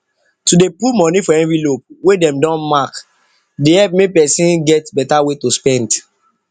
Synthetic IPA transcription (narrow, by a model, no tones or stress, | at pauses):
tudepumɔ̃nifɔɛvilop̚wedɛ̃mdɔ̃nmak | deɛp̚mepɛsĩnɡɛtbɛtawetospɛ̃nd